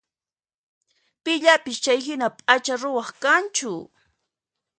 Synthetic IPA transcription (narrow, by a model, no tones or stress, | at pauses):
pɪʎapɪst͡ʃajɦɪnapʼat͡ʃaɾʊwɑχkant͡ʃʊ